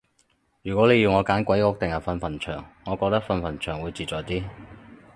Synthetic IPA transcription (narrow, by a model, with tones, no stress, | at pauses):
jyː˨˩kʷɔː˨˥le˨˧jiː˨˧wŋɔː˨˧kaː˨˥nkʷɐ˨˥jkɔː˥k̚t̪ɪ˨ŋɐ˨˩fɐ˧nfɐ˨˩nt͡ʃʰœː˨˩ŋːɔː˨˧kɔː˧k̚t̪ɐ˥k̚fɐ˧nfɐ˨˩nt͡ʃʰœː˨˩ŋwuː˨˧jt͡siː˨t̚t͡sɔː˨jt̪iː˥